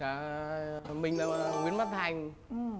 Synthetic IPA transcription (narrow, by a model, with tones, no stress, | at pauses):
aː˧˩ | mï˨˩ŋ̟a˨˧˩wi˧˦ənma˦˥t̚t̪ʰa˧˩jŋ˧˩